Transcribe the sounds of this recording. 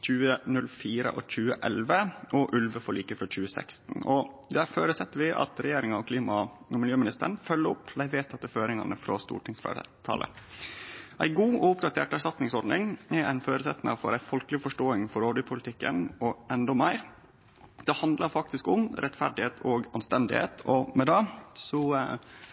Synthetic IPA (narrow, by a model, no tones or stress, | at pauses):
c͡çʉːənʉlfiːɾə̰ʔɔ̰c͡çʉːəʔɛlʋəɔʔʉlʋəfɔɭiːkəfɾɔc͡çʉːəsæ̰kst̪n̩ɔd̪æɾføːɾəsɛt̪ːəɾʋɪʔɑ̰t̪ɾɛjeːɾɪŋɑɔkʰliːmɑ | ɔmɪljøːmɪnɪst̪ə̰ɳ̩fœlːəɾʊpːlæɪʋeːt̪ʰːɑt̪ːəføːɾɪŋɑ̰nəfɾɔ̰st̪ṵːʈʰɪŋsfḛt̪ʰɑ̰ːlʔə̰ | ʔæɪɡuːɔʊpd̪ɑt̪ʰḛːʈæʂʈɑt̪nɪŋsɔɖnɪŋɛæɪnføːɾəsɛt̪ːnɑfɔ̰ɾæɪfɔlklɪfɔʂʈoːɪŋfɔɾoːɖ̪əpʰʊlɪt̪ʰɪkːə̰nɔɛnd̪ɔmæɪɾ | d̪ɛhɑnd̪lɑɾfɑk̚t̪ɪskʊmɾʔɛt̪fæɖɪheːt̪ʰɔɡɑnst̪ɛnd̪ɪ̰hḛːt̪ʰɔmɛd̪ɑːsɔ